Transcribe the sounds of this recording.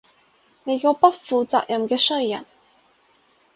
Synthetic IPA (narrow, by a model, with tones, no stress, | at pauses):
ne˨˧jkɔː˧pɐ˥t̚fuː˨˧t͡sa̰ː˧k̚jʔɐ˨mkɛː˧sɵ˥ɥjɐ̰˨˩n